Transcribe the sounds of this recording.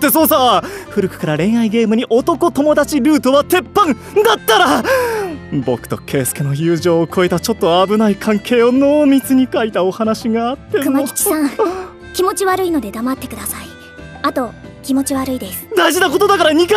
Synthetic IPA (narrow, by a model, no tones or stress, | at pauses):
t̪ːe̞so̞ːsaɸɯ̟ɾɯ̟kɯ̟̥kaɾaɾẽ̞ɰ̃aiɡe̞ːmɯ̟ɲ̟iʔo̞t̪o̞ko̞t̪o̞mo̞d̪at͡ɕiɾɯ̟ːt̪o̞βat̪e̞pːãn | d̪at̪ːaɾa | bo̞̰kɯ̟̥t̪o̞̰kʰe̞ːsɨ̥kɯno̞jɯ̟ːʑo̞ːkʰo̞e̞t̪at͡ɕo̞t̪ːo̞abɯ̟naikʰãŋkʰe̞ːo̞no̞ːmʲit͡sɨɲ̟ikait̪ao̞hanaɕiɡaːt̪ːe̞kɯaki̥t͡ɕi̥sã | kʲimo̞t͡ɕiβaɾɯ̟ino̞d̪e̞d̪amat̪ːe̞kɯ̟d̪asai | at̪o̞ | kʲimo̞t͡ɕiβaɾɯ̟id̪esɨ̥d̪aiʑinako̞t̪o̞d̪akaɾaɲ̟ik